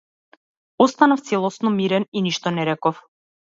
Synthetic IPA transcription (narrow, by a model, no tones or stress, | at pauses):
ɔst̪anaft̪sɛlˠɔsnɔmiɾɛniniʃt̪ɔnɛɾɛkɔf